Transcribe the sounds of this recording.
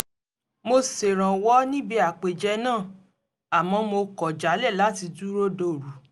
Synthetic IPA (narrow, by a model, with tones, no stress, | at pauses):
mo˧se˨ɾ̃ã˨wɔ˦nĩ˦bi˧˦a˨k͡pe˨d͡ʒɛ˧˦nãː˦˨ | a˨mɔ̃˧˦mo˧kɔ˨d͡ʒa˨˦lɛ˦˨la˨˦ti˧du˦ɾo˦do˧˨ɾu˨˦